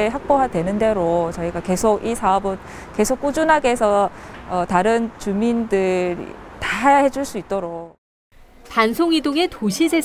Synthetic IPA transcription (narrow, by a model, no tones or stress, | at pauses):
ɦak̚p͈oɦadwe̞nɯnde̞ɾot͡ɕʌiɡake̞sʰoɡisʰaʌbɯn | k͈e̞sʰok͈ud͡ʑunɦaɡe̞sʰʌʌtaɾɯnt͡ɕumindɯɾḭtaajahe̞d͡ʑuɭs͈uit̚t͈oɾok̚ | pansʰoŋidoŋe̞toɕʰisʰe